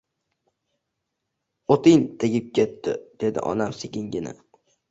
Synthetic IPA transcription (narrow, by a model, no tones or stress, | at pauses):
ot̪ɪŋt̪ʰɪɡʲɪp̚kʲʰe̞t̪ːɪ̰d̪̥e̞d̪ɪ̰ʔɒ̰namsɪkʲɪŋɡʲɪnɪ̰